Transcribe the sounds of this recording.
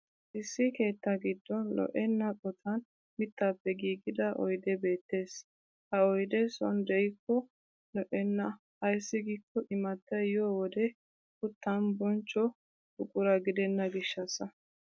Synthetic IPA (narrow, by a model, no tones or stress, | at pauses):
ʔɪsːɪke̞ːt̪ːɐɡɪd̪ːɔnlɔ̰ʔɛnːɐkʼɔt̪ʰɐn | mɪt̪ːaːpːɛɡiːɡɪd̪ɐʔɔ̰jd̪ɛbe̞ːt̪ːe̞ːs | hɐɔjd̪ɛsɔ̰nd̪ɛjɪkːɔ | lɔʔɛnːɐ | ɐjsːɪɡɪkːɔʔɪmɐt̪ːɐjoːwɔd̪ɛ | kʊt̪ːɐnbɔnt͡ʃːɔ | ʊkʼʊɾɐɡɪd̪ɛnːɐɡɪʃːɐsɐ